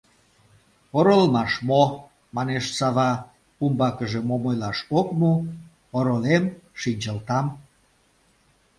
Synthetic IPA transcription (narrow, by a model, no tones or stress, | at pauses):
oɾolmɑʃmo | mɑneʃsɑβɑ | umbɑkəʒemomojlɑʃokmu | oɾolemʃinʲt͡ɕəlt̪ɑm